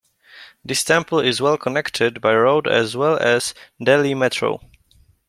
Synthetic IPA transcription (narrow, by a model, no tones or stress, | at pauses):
ðɪstɛ̃mpl̩ɪzwɛlˠkʰɔnɛktʰɪdbajɹoʊdɛ̰zwɛlˠɛz̥dɛlimɛtʰɹo̰ʊ